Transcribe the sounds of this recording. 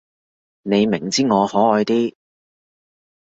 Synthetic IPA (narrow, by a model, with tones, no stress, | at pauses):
ne˨˧jmɪ˨˩ŋt͡siː˥ŋɔː˨˧hɔː˨˥ɔː˨˧jt̪iː˥